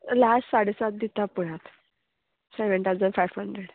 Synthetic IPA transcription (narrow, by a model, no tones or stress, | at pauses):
lasʈsaɽesat̪̚d̪it̪apuɽat̪ | seʋənt̪awd͡zənfajʋhəɳɖ̪ɾeɽ